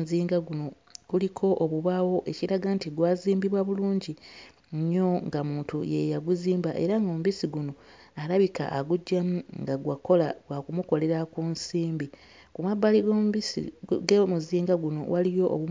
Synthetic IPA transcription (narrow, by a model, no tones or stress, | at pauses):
ziːŋɡaɡuno̞ | kulikʰo̞ʔoβuβawo̞ʔe̞ciɾaɡantiɡwaːziːmbiβwaβuluːɲɟi | ɲo̞ŋɡamuːntṵjḛjaɡuziːmbaʔe̞ɾaŋɡomuβisiɡuno̞ | alaβika̰ʔːɡuɟːamuŋɡaɡwako̞laɡwakumuko̞le̞ɾakunsiːmbi | kumabːaliɡiḭɡemuziːŋɡaɡuno̞̰walijo̞ʔo̰βu